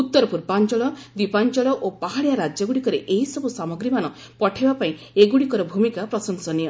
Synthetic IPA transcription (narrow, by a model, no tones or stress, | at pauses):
ut̪ːɔɾɔpuɾpant͡ʃɔɭɔd̪ipant͡ʃɔɭɔʔopaɦaɽijaɾad͡ʒjɔɡuɽikɔɾeʔeɦisɔbʱusamɔɡɾimanɔ | pɔʈʰebapaĩ | eɡuɽikɔɾɔbʱumikapɾɔsɔŋsɔnijɔ